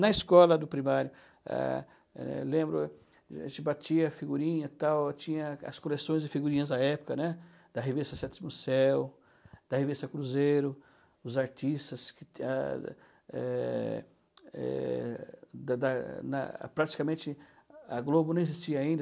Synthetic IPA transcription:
nɐiskɔlɐd̪ʊpɾimaɾjʊ | ɛ̰ | ɛ̰lẽmbɾʊ | ʒẽt͡ʃɪbat͡ʃiɐfiɡuɾĩɲɐt̪awt͡ʃĩɲɐɐ̰skolesõj̃zɪfiɡuɾĩɲɐzd̪ɐɛpʊ̥kɐnɛ | d̪̥ɐɦevist̪ɐsɛt̪imʊsɛw | d̪̥ɐhevist̪ɐkɾuzejɾʊ | ʊzaɾt͡ʃist̪ɐskɪa | ɛ | ɛ̰ | d̪ɐd̪ɐnɐ̰pɾat͡ʃi̥kɐmẽnt͡ʃɪ | ɐɡlobʊnɐ̃w̃ezist͡ʃiɐaĩnd̪

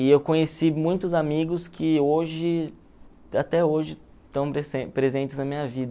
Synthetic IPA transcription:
ɪewkõɲesimũj̃t̪ʊzamiɡʊskʰɪoʒɪ | at̪ɛoʒɪ | t̪ɐ̃w̃pɾesẽpɾezẽnt͡ʃ̪ɪznɐmĩɲɐvid̪ɐ

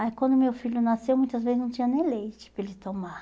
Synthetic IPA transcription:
aikwɐ̃nd̪ʊmewfiʎʊnasewmũj̃t̪ɐzvezɪznɐ̃w̃t͡ʃĩɐ̃nẽj̃lejt͡ʃɪ̥pɾelɪt̪omaɾ

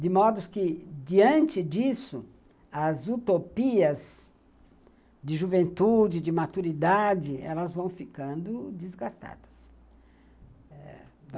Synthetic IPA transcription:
d̪ɪmɔd̪ʊskɪd͡ʒiɐ̃nt͡ʃ̪ɪd͡ʒisʊ̰ | ɐzut̪opiɐz | d̪ɪʒuvẽnt̪ud͡ʒɪd͡ʒɪmat̪uɾid̪ad͡ʒɪɛ̰lɐzvɐ̃w̃fikɐ̃nd̪ʊd͡ʒ̪ɪzɡast̪a̰d̪̥ɐs | ɛ

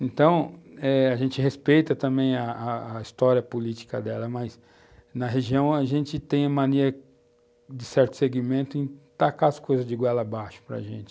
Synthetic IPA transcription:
ẽt̪ɐ̃w̃ɛaʒẽnt͡ʃɪɦespejt̪ɐt̪ɐ̃mbẽj̃ɐːist̪ɔɾiɐpolit͡ʃi̥kɐd̪ɛlɐmɐs | nɐɦeʒiɐ̃w̃ɐʒẽnt͡ʃɪt̪ẽj̃ɐmɐ̃niɾɐ | d͡ʒɪsɛɾt̪ʊ̥seɡimẽnt̪ʊẽt̪akaɐskojzɐzd͡ʒɪɡwɛlɐbaʃʊ̥pɾɐ̰ʒẽnt͡ʃɪ̥

